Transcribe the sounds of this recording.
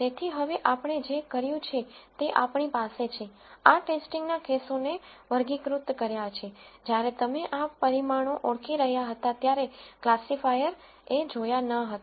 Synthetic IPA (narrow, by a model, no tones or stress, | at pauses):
t̪et̪ʰiɦəʋeʔapɳ̃ed͡ʒekəɾjũt͡ʃʰet̪eʔapɳipaset͡ʃʰe | aʈesʈiŋɡnakesoneʋəɾɡikɾut̪kəɾjat͡ʃʰed͡ʒjaɾet̪əmeʔapəɾimaɽ̃oʔɔɽkʰiɾəɦjaɦət̪at̪jaɾeklasifajəɾ | ed͡ʒojanəɦət̪a